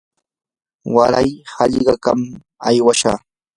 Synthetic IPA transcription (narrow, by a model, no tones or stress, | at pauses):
waɾajhɑʎɢɑkam | ajwaʃa̰ː